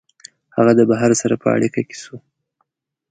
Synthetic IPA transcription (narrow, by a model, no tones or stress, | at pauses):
haɣad̪əbaɦaɾsaɾapʰə̰a̰ɽikake̥su